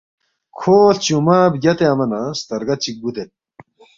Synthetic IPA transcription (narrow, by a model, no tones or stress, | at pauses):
kʰoːɬt͡ɕumaːbjɐt̪eɐmɐnast̪ɐɾɡɐt͡ɕik̚ɡud̪et̪̚